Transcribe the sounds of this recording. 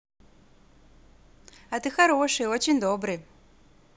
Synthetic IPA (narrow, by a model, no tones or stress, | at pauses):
ɐt̪ɨxɐɾoʂɨiot͡ɕɪnʲd̪obɾɨ